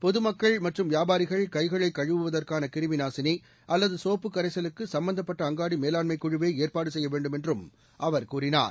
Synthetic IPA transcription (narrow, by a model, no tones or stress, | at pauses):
pɔðɯmɐkːɐɭmɐʈrɯmʋjaːbaːɾɪɣɐɭkɐɪɣɐɭɐɪkːɐɻɯʋɯʋɐðɐrkaːnɐkɪɾɯʋɪnaːsɪni | ʔɐlːɐðɯsoːpːɯkːɐɾɐɪsɐlɯkːɯsɐmbɐnd̪ɐpːɐʈːɐːŋɡaːɽimeːlaːnmɐɪkːuɻɯʋeːeːrpaːɽɯsɛjːɐʋeːɳɖɯmɛndrɯm | ʔɐʋɐɾkuːrɪna̰ːɾ